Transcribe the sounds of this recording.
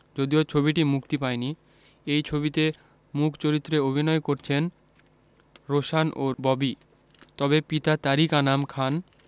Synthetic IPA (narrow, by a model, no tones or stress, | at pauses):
d͡ʑod̪iot͡ɕʰobiʈimukt̪ipaeni | ejt͡ɕʰobit̪e | mukʰt͡ɕoɾit̪ːɾeobʱinɔekoɾt͡ɕʰen | ɾoʃanʔobɔbi | t̪ɔbepit̪at̪aɾikanamkʰan